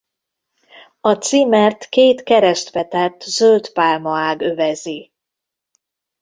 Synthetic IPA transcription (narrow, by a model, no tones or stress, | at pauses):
ɒt̪simɛrt̪keːt̪kɛɾɛʃt̪ʋɛt̪ɛt̪ːzølt̪paːlmɒaːɡøvɛzi